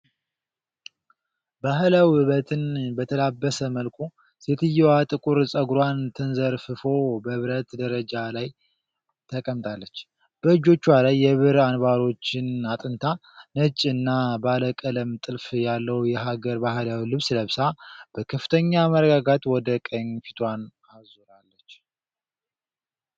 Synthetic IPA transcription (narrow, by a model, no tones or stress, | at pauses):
baɦlawhɨβət̪ʰɨnbət̪ʰəlabːəsəməlkʷʰʼu | set̪ʰɨjːɛwat̪ʼɨkʼuɾsʼəɡɾwant̪ʰɨnzəɾfɨfo̞bəβɾət̪d̪əɾəd͡ʒalaj | t̪ʰəkʼəmt̪ʼʰalːət͡ʃː | b̥əɨd͡ʒo̞t͡ʃːwalajːɛβɨɾanβaɾo̞t͡ʃːɪnat̪ʼɨnt̪ʰanət͡ʃʼːɨnːabaləkʼələmt̪ʼɨlfjalːəwjɛɦaɡəɾbahɨlawilɨβsɨləβsab̥əkʰəfɨ̥t̪ʰəɲːaməɾəɡaɡat̪wɔd̪əkʼəɲfi̥t̪ʰʼwan | azoɾalːət͡ʃː